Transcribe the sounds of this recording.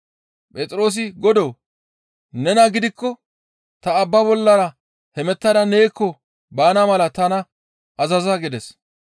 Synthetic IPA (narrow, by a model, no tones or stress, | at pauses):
pʼɛt̪ʼɾo̞ːs̬ɪɡɔd̪oː | nɛnɐɡɪd̪ɪkːɔ | t̪ɐːbːɐbɔlːɐɾɐ | hɛmɛt̪ːɐd̪ɐne̞ːkːɔ | baːnɐmɐlɐt̪ɐnɐ | ɐzɐzɐɡɪd̪ɛs